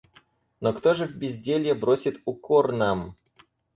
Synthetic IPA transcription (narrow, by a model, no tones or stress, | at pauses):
nokt̪oʐɨvʲbʲɪzʲdʲelʲjebɾosʲɪt̪ʊkornam